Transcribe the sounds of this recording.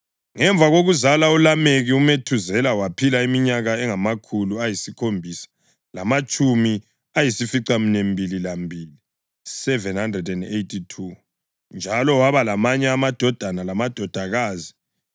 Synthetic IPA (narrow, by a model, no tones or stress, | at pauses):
ŋɛɱb̪vʱaɣoɣuzalaulameɣiumetʰuzɛlawapʰilaimiɲaɣaɛŋamakʰuluajisikʰombʱisḁ | lamat͡ʃʼumi | ajisifiǀaminembʱililambʱiːli | sɛvɛnhandrɛdɛndejtʰitʰu | nd͡ʒʱalɔwaβalamaɲɛamad̥ʱɔd̥ʱanalamad̥ʱɔd̥ʱaɣaːzi